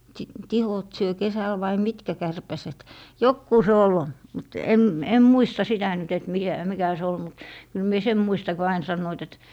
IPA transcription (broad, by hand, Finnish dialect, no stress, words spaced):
siˑt tihot syø kesæl ʋɑi mitkæ kærpæset jokːuː se ol mut em em muistɑ sitæ nyt et mikæ mikæ se ol mut kyl mie sem muistɑ ko ɑin sɑnːoit et